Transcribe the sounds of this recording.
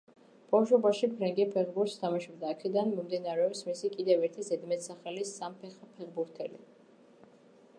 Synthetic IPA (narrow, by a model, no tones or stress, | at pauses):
b̥awʃɔbaʃipʰɾɛŋɡɛpʰɛχbuɾt̪st̪ʰamaʃɔbd̪aːkʰɛd̪anmɔmd̪inaɾɛɔpsmisikʼid̪ɛvɛɾt̪ʰizɛd̪mɛt̪saχɛlisampʰɛχpʰɛχbuɾt̪ʰɛlḭ